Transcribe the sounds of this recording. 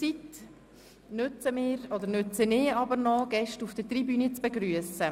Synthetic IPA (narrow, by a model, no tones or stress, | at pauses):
t͡sit | nʏt͡səmɪːɾɔd̪əɾnʉt͡sənɪːɑbəɾnɔɡ̥ɛʃtufd̥ət̪ribyːnit͡sb̥ɛɡɾyəsə